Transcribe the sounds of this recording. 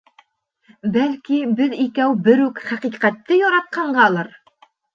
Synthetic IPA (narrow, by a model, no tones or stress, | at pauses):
bælkibɘðikæwbɘɾʉkχæqiqæt̪ːɘjɒɾɑt̪̚qʰɑɴɢɑlˠɤɾ